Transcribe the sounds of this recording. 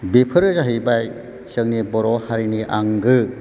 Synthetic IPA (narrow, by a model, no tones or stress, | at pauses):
bipʰɯɾɯzaɦibaj | sɯŋnibɔɾɔhaɾiniʔaŋɡɯ